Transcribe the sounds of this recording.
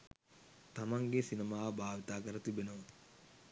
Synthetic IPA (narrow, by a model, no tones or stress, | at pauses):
t̪amaŋɡesinemaːʋbʱaːʋit̪aːkəɾət̪ibenəʋa